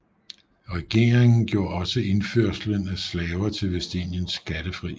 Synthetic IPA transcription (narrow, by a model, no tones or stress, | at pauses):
ʁɛɡ̥e̝ɐʁe̝ŋn̩ɡ̥jo̝ɐ̰ɒ̽səe̝nføɐ̰slənæslɛːʊɐt͡sʰe̝lʋesd̥ḛnjənsɡ̥æd̥əfʁḭː